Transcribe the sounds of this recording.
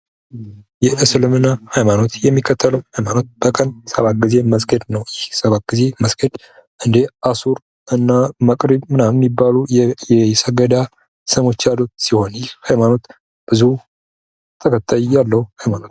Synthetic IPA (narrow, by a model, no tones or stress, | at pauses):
jɛʔɨsɨlɨmɨnahajmano̞t̪jɛmːikʰːət̪ʰːələwhajmano̞t̪̚b̥əkʼənsəβat̪̚ɡize̞məsɡəd̪nəwjɛhsəβat̪̚ɡ̥ize̞məsɡəd̪ | ʔɨnd̪easuɾ | ʔɨnːaməkʼɾiβmɨnamnibːalujjɛsəɡəd̪a | sɨmo̞t͡ʃːalot̪siho̞njɪhajmano̞t̪ | b̥ɨzu | t̪ʰəkʰʼət̪ʰʼːajijalːəhuhajmano̞t̪